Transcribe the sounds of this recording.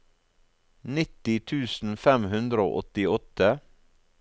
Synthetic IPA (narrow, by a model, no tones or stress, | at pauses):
nɪt̪ɪt̪ʰʉːsn̩fɛmhʉnd̪ɾəo̰ːʔɔt̪ɪɔt̪ə